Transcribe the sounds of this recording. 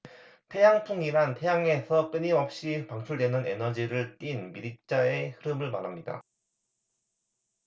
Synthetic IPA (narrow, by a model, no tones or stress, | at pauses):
tʰe̞jaŋtʰuŋiɾantʰe̞jaŋe̞sʰʌk͈ɯɲiʌp̚ɕ͈ipaŋt͡ɕʰuɭdwe̞nɯne̞nʌd͡ʑiɾɯɭt͈inmiɾit͡ɕ͈ae̞hɯɾɯmɯɭmaɾɦamɲida̰